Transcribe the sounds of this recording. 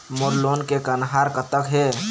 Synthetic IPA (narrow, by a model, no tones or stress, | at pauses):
moɾloːnkekənɦaɾkət̪əkɦe